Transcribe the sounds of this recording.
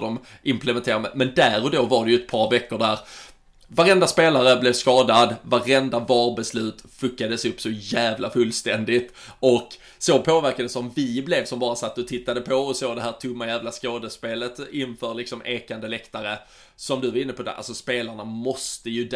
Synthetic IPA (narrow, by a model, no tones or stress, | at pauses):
dɔm | ʔɪmplɛmɛnt̪ʰeːɾamɛmɛnd̪æɾɔd̪oːvaɖɛjɵɛt̪̚pʰɑːɾvɛkːʊɖæɾ | vaɾɛnd̪aspeːlaɾəblɛvskɑːd̪ad̪vaɾɛnd̪avɑːɾbɛslʉ̟ːt̪fɵkːad̪əsɵpːsɔjæːvlafɵlːst̪ɛnd̪ɪt̪ʔɔk | sɔpʰoːvæɾkad̪əsɔmvɪblɛvsɔmbɑːɾasat̪ːəɔt̪ʰɪt̪ːad̪əpʰɔɔsoːd̪ɛɦæːt̪ʰɵmːajæːvlaskoːd̪əspeːlət̪ɪnfœːɾlɪksɔmʔeːkand̪əlɛkt̪aɾə | sɔmd̪ɵvaɾɪnːəpʰɔd̪ɛ̰ʔa̰lsɔspeːlaɳamɔst̪əjɵd̪